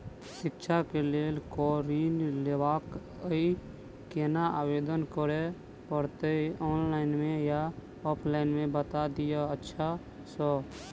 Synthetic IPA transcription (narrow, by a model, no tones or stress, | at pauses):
sɪkt͡ʃʰakelelkɔɾinlewak | əi | kenaabed̪ənkəɾe | pəɾt̪eiɔːnlaɪnmẽja | ɔpʰlaɪnmẽbət̪ad̪ijaətːʃʰa | sɔ